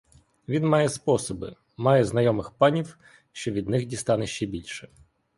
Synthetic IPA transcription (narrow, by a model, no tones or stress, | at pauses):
ʋʲinmɑjɛspɔsɔbɪ̰ | mɑjɛznɐjɔmɪxpɑnʲiw | ʃt͡ʃɔʋʲid̪nɪxdʲist̪ɑnɛʃt͡ʃɛbʲilʲʃɛ